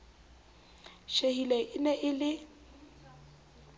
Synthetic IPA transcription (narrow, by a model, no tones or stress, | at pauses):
ʃehilɛʔɪnɛʔɪlɪ